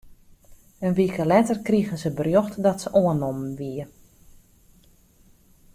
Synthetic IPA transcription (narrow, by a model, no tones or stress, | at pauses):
ənʋikəlɛtərkriɣənsəbərjoxtdɔtsəʔoənɔmʋiə